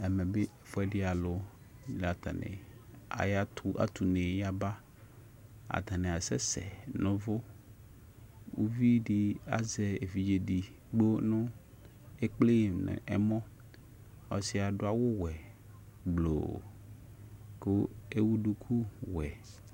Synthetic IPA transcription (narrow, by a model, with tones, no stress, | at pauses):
ɛ˨mɛ̃˨bɪ˦˨fʊ˦ɛ˦dɪ˦a˨lʊ˨ | la˨t̪ʰa̰˨nɪ̰̃˨ | a̰˨ja˦tʰʊ˨a̰˨t̪ʰu˨nɪ̃˨ja˦ba˦ | a̰˨t̪ʰa˨nɪ̃˨a˨sɛ˦sɛ̰˨nʊ̃˦vʊ˦ | wu˦vi˦dɪ˦a̰˨zɛ˨e˨fi˨d͡ʒe˨di˨ | ɡ͡bo˦nʊ̃˦ | e˦k͡ple˦˨mñ̰˨ʔɛ˦mɔ̃˦ | ɔ˨sɪ˦a˨dʊ˦a˦wʊ˦wɛ˨ | ɡ͡blo̰˨ | kʊ˦e˦wu˦du˦kʰu˦wɛ˨